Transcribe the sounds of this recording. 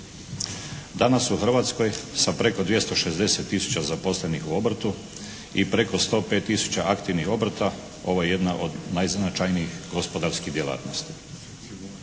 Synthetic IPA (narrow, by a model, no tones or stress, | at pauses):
d̪anasuxr̩ʋaːt̪sko̞jsapɾe̞ko̞d̪ʋje̞st̪o̞ʃe̞zd̪e̞set̪ːisu̥t͡ɕazapo̞sle̞nixuo̞bɾt̪u | ipɾe̞ko̞st̪o̞ːpet̪ːisu̥t͡ɕaʔakt̪iʋnixo̞bɾt̪a | o̞ʋojeje̞d̪naʔo̞d̪najznat͡ʃajnijixɡospod̪aɾskid̪jelˠa̰ːt̪no̞st̪i̥